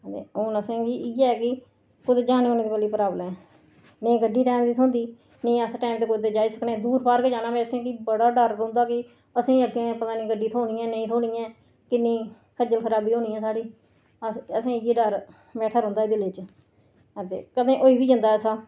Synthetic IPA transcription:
ət̪ḛːoːnəsẽːɡiːiːɛːkɪ | kʊd̪ed͡ʒaːnẽːoːnẽːd̪eːpəliːpəɾaːblɛ̃ː | nəĩːɡəɖːiːʈaːmd̪iːt̪ʰõːnd̪iː | nəĩːəsʈaːmt̪eːkʊd̪eːd͡ʒaːiːsəkneːɛːd̪uːɾbaːɾkːd͡ʒaːnaːbɛːsẽːkiːbəɽaːɖəɾõːnd̪aːkɪ | əsĩːəɡẽːpət̪aːnĩːɡəɖːiːt̪ʰoːɳiːɛ̃ːnəĩːt̪ʰoːɽiːjɛ̃ː | kɪnːĩː | kʰəd͡ʒəlkʰəɾaːbiːɦõːniːɛ̃ːsaːɽiː | əəsẽːɪjeːɖəɾ | bɛːʈʰaːɾõːnd̪aːɛːd̪ɪleːt͡ʃ | ət̪ḛːkəd̪ẽːʔoːiːbiːd͡ʒənd̪aːsaː

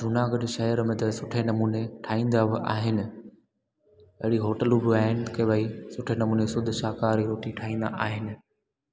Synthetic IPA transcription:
d̪ʱʊnaːɡəɗʃɐɦəɾmẽt̪ɐsʊʈʰenɐmuːneʈʰaːĩːn̆d̪aʔaːɦɪnɪ̆ | ɐɦɪɽiɦoːʈəluːbɪaːɦɪnɪkʰeʋaisʊʈʰenɐmuːnesʊd̪ʱʊʃaːkaːɾiɾoːʈĩʈʰaːĩːn̆d̪a̰ʔaːɦɪnɪ̆

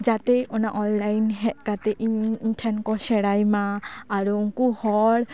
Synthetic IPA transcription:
d͡ʒat̪ɛɔnaʔɔnlajnɦɛʔ̚ˀkat̪ɛʔiʈʰɛnkɔsɛɽajmaːɾuŋkuhɔɽ

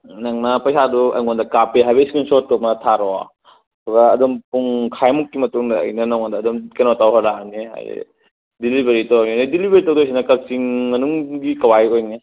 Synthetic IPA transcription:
nɐŋnɐpɐjsaduɐ̰jŋondɐkapeɦajbeskinsotːomɐtʰaɾɔa̰ | ɐtuɡɐɐ̰dɔmpuŋkʰajmukːimɐtuŋdɐ̰ːjnɐnɐwŋondɐːdɔmkenotawɦɔɾaniɦa̰jɾḭ | dilibʱeɾitɐwajninidilibeɾitɐwdujs̬inɐkɐsiŋmɐnuŋɡikɐwajojni

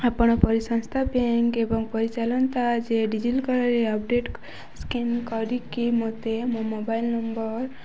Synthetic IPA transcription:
apɔɽ̃ɔpɔɾisɔ̃ŋst̪ʰabeŋkebɔŋpɔɾit͡ʃalɔnt̪ad͡ʒeɖid͡ʒilkɔɾɔɾeɔp̚ɖeʈ | skinkɔɾikimɔt̪emomobailnɔmbɔɾ

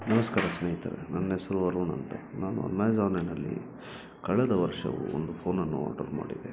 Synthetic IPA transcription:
nɐmɐskaːɾɐsneːɦit̪ɐ̰ɾenɐnːɦɛsɐɾuʋɐɾuːɳɐnt̪ɐnaːnuɐ̰nːaːjd͡ʒaːʋnenɐlːḭ | kɐɭɛd̪ɐʋɐɾʂɐ̰ʋṵond̪upʰoːnɐnːuaːʈɐɾma̰ːɖid̪e

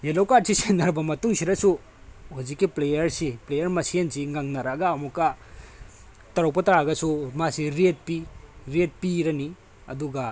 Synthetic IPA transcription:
jelowkad̚sisenɐɾbɐmɐtuŋsiɾɐsu | huzikːiplejɐɾsiplejɐɾmɐsiensiŋaŋnɐɾaɡɐːmukːɐ | tɐɾowpɐtɐɾaɡɐsumasiɾet̚piɾet̚piɾɐni | ɐ̰duɡɐ

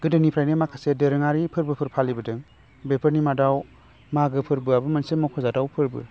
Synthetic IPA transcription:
ɡ̥ɯdɯnipʰɾajnimakʰasedeɾɯŋaɾipʰɯɾbɯpʰɯɾpʰalibɯdɯŋ | bepʰɯɾnimadaw | maɡɯpʰɯɾbɯabɯmɐnsemɔkʰɔzadawpʰɯɾbɯ̰

